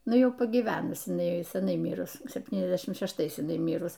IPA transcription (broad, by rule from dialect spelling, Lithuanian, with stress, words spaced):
ˈnʊ ˈjɛʊ pɐɡʲiːˈʋʲæːnʊs ɪˈnɐɪ sʲɛˈnɐɪ ˈmʲiːrʊs sʲɛpʲˈtʲiːnʲɛzʲˌdʲæːʃʲɪm ʃʲɛʃˈtɐɪs ˈmʲiːrʊs